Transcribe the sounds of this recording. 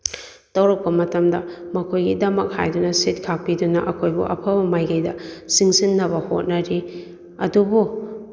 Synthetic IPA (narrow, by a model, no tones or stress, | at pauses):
tɐwɾɐk̚pɐmɐtɐmdɐ̰mɐkʰojɡidɐmɐk̚ha̰jdunɐsit̚kʰak̚pidunɐ̰ʔɐkʰojbṵʔɐ̰pʰɐbɐmajɡɐjdɐsiŋsinːɐbɐho̰t̚nɐɾi | ɐdubu